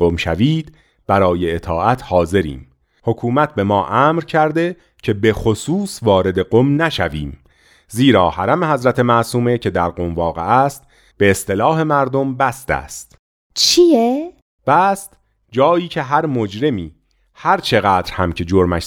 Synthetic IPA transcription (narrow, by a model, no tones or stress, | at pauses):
omʃæ̰viːd̪̥ | b̥æɾɒːjeːt̪ʰɒːʔæt̪ʰhɒːze̞ɾḭːm | ho̞kʰuːmæt̪̚ʰbe̞mɒːʔæːmɾcʰæɾd̪e̞ | cʰe̞be̞xosuːsvɒːɾe̞d̪e̞ɡomnæʃæviːm | ziːɾɒːhæɾæmehæzɾæt̪ʰe̞mæʔsuːme̞cʰe̞d̪æɾɢo̞mvɒːɣeʔæst̪̚ | b̥e̞ːst̪e̞lɒːhe̞mæɾd̪ombæst̪æ̰ːst̪ | t͡ʃʰije | b̥æst̪ | d͡ʒɒːiːcʰe̞ɦæɾmod͡ʒɾe̞miː | hæɾt͡ʃʰe̞ɣæːd̪ɾhæmcʰe̞d͡ʒoɾmæʃ